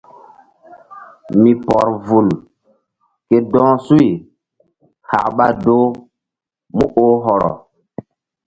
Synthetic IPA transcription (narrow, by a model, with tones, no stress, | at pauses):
mi˨pɔ˨ɾvu˨l | ke˦dɔ̃˦su˦i˨ | ha̰˨kɓa˦do˦ | mu˦ʔo˦ɦɔ˨ɾɔ̰˨